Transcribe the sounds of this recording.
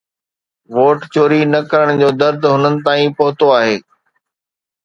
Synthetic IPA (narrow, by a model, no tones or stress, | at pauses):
ʋoːʈt͡ɕoːɾinɐkɐɾəɽ̃d͡ʑoːd̪ɐɾd̪ʱɦʊnənɪ̆t̪aːĩpɐɦʊt̪oaːɦeː